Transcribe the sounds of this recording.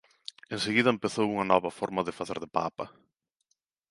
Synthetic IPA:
enseɣiðɐempeθowuŋɐnɔβɐfɔɾmɐðɪfaθeɾðɪpa̰pɐ̰

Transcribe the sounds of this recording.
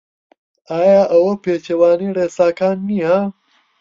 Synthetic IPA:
aːjaːʔɐwɐpeːt͡ɕewaːniɽeːsaːkʰaːnːiã

